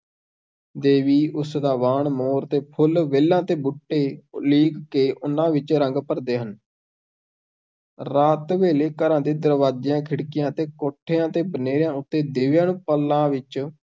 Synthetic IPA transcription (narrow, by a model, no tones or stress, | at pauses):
d̪eːʋiːʔʊsd̪aːʋaːɳmoːɾt̪eːpʰʊlʋeːlãːt̪eːbʊʈːeːliːkːeːʔʊnãːʋɪt͡ʃɾəŋɡpəɾd̪eːɦən | ɾaːt̪ʋeːleːkəɾãːd̪eːd̪əɾʋaːd͡ʒejãːkʰɪɽkɪjãːt̪eːkoʈʰːeːãːt̪eːbəneːɾjãːʊt̪ːeːd̪eːʋjãːnũːpəlːãːʋɪt͡ʃ